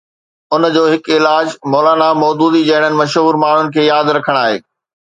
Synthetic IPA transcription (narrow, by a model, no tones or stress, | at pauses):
ʊnd͡ʑoːɦɪkɪlaːd͡ʑmɔːlaːnamɔːd̪uːd̪id͡ʑɐɪɽ̤̃ənɪ̆mɐʃɦuːɾmaːɳ̤ʊnɪ̆kʰeːjaːd̪ɾɐkʰəɽ̃aːɦḛː